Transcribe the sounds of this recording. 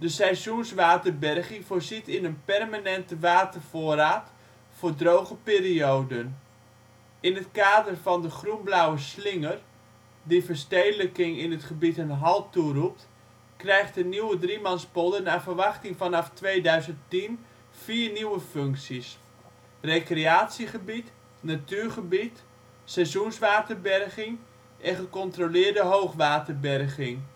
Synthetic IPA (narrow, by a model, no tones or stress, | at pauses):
dəsɛjsjunsʋaːtərbɛrχɪŋfoːrzitɪnənpɛrmanɛntəʋaːtərfoːraːt | foːrdrowχəpiːriowdən | ɪnətkaːdərfɑɔndəχrunblawəslɪŋər | difərstejdələkɪŋɪnətχəbitənɦɑlˠturup̚t | krɛjχt̚dəniwədrimɑnspodənaːvərʋɑχtɪŋfɑnɑftʋeːdœɥzəntin | fiːrniwəføŋksis | rekreaːtsiχəbit | natyːɹχəbit | sɛzunsʋaːtərbɛrɣɪŋ | ʔɛnχəkɔntrolɪːrdəɦowχʋaːtərbɛrɣɪŋ